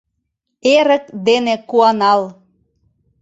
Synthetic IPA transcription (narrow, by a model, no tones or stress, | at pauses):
eɾə̆k̚d̪enekuɑnɑl